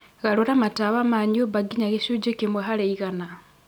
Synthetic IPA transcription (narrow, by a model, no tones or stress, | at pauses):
ɣaluɾamataβamaɲoβaɡiɲaɣeʃud͡ʒokimwaxaleiɣana